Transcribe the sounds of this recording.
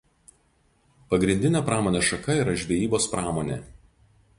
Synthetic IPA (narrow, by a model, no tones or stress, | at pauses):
pɐɡɾʲɪnʲd̪ʲɪnʲeːˑpɾɑːmoːnʲeːʃɐkɐiːˑɾɐʒʲʋʲejiːboːspɾʔɑːmoːnʲḛː